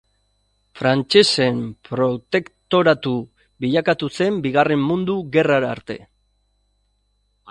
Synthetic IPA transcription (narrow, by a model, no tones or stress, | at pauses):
fɾant͡ʃe̞se̞mpɾo̞t̪e̞kt̪o̞ɾat̪u | βiʎakat̪use̞mbiɣare̞mːũnd̪uɣe̞raɾaːɾt̪e̞̰